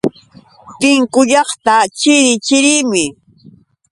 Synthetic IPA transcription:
t̪ɪŋkʊʎɑχt̪at͡ʃɪɾɪt͡ʃɪɾɪmɪ

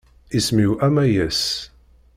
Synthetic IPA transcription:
ismiwʔæmæjæs

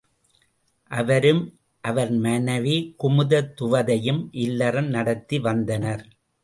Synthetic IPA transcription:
ʔɐʋɐɾɯm | ʔɐʋɐɾmɐnɐʋikʊmɯðɐt̪ːʊʋɐðɐjɯmʔɪlːɐrɐmnɐɽɐt̪ːiʋɐnd̪ɐnɐɾ

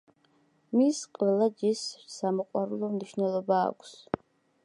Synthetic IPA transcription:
misqʼvɛlˠad͡ʒissamɔqʼwaɾulˠɔmniʃnɛlˠɔba̰ːkʷʰs

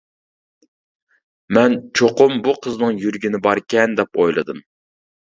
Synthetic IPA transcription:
mɛnt͡ʃʰoqʊmbuqʰəznɨŋjyɾɡʲinɪbɑɾkʲɛnd̪ɛpojlˠɨd̪ɨm

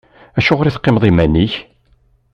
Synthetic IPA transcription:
æʃʊʁɾiθqːɪmðˤimæniç

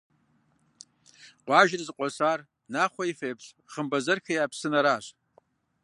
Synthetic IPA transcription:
qʷaʒrzqʷʼasar | naχʷaifejpʰɕ | χəmbazɨrkʰejapʰsɨnaɾaɕʷ

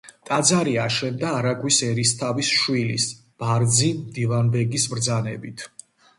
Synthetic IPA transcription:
t̪ʼad̪zaɾiaʃɛnd̪aːɾaɡwisɛɾist̪ʰavisʃwilḭs | b̥aɾd̪zimd̪ivanbɛɡismɾd̪zanɛbit̪ʰ

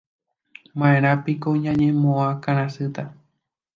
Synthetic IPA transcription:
mãẽɾ̃ãpikoɲãɲẽmõãkãɾ̃ãsɨt̪a

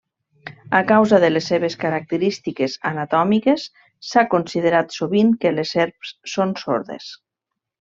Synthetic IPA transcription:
akawzaðəlesːeβ̞eskaɾak̚t̪əɾist̪ikeza̰nat̪ɔmikesː | akonsiðəɾat̪soβiŋkelezeɾpsːonso̰ɾðḛs

